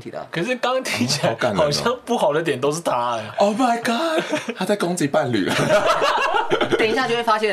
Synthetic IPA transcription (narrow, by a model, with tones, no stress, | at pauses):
t̪ʰḭ˨˩d̪ə̰˩kʰə˨˩ʂɻ̩˥˩kɑ˦ŋt̪ʰi˧˥t͡ɕʰɛ˥˨˧ka˨˩nhɑ˨˩ʊɕjɑ˥˧ŋpu˥˩xɑ˨˩ʊd̪ə˦t̪jɛ˨˩nt̪o˥ʊʂ̬ɻ̩˥˩t̪ʰa˥˨˩o˥˧ʊma˨ɪɡɑ˥˩t̪ʰa˥t͡sa˥˩ɪkɔ˥ŋt͡s̩˥t͡ɕi˨˩pa˥˨nly̰˨˩lə˩ | jɛ˨˩ŋi˧ɕja˥˧t͡ɕjwe˥˩fa˥ɕjɛ˥˧